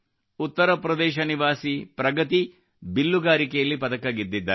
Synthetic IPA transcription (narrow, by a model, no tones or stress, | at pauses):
ut̪ːɐɾɐpɾɐd̪ɛːʃɐniʋaːsipɾɐɡɐt̪i | bilːuɡaːɾikɛjɐlːipɐt̪ɐkɐɡid̪ːid̪ːa̰